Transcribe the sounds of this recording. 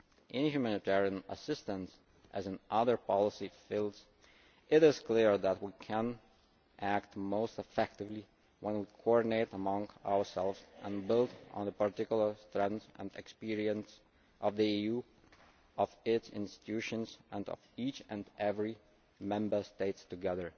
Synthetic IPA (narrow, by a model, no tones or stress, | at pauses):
ʔɪ̃nhjumænɨtʰɛɹiɨ̃nə̰sɪstə̃ns | ʔɨzɨ̃nʔʌðə˞pʰɑlˠəsifilˠdz | ʔɪɾɪz̥kʰl̥ɪɹðət̚wikʰə̃n | ʔæk̚t̚moʊstəfɛk̚tɨvli | wə̃nwikʰɔɹdⁿn̩eɪɾəmʌ̃ŋa̰ʊə˞sɛlˠvzʔə̃nbɪlˠdn̩ðəpə˞tɪkjl̩ˠə˞stɹɛ̃nzɨ̰̃nɨ̰kspiɹiɨ̃ns | ʔʌvðiiju | ʌvɪtsɪ̰̃nstɨ̥tʰʉʃɨ̃nzə̃nʌ̰vit͡ʃɨ̃nɛvɹi | mɛ̃mbə˞steɪtstɨɡɛðə˞